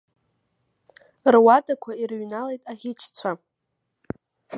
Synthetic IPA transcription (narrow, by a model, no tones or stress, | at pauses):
rwadakʷʰairɥnalejtʼaʁʲɪt͡ʃʰt͡sʷʰa